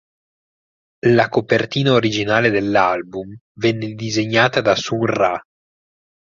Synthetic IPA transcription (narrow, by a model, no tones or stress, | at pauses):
lakopert̪iːnaoɾid͡ʒinaːled̪elːalbum | vɛnːed̪izeɲːaːt̪ad̪asuŋra